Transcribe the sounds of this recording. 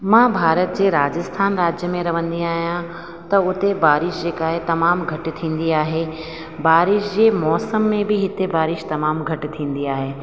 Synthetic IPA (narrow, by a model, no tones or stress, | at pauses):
mãːbʱaːɾət̪̚d͡ʑeːɾaːd͡ʑəst̪ʰaːnɾaːd͡ʑjəmẽɾɐʋə̃nd̪iaːɦijã | t̪ɐʊt̪ebaːɾɪʃd͡ʑeːkaːɦɪt̪ɐmaːmɡʱɐʈɪ̆t̪ʰĩːn̆d̪iaːɦe | baːɾɪʃd͡ʑeːmɔːsəmːẽbɪɦɪt̪ebaːɾɪʃt̪ɐmaːmɡʱɐʈɪ̆t̪ʰĩːn̆d̪iaːɦeː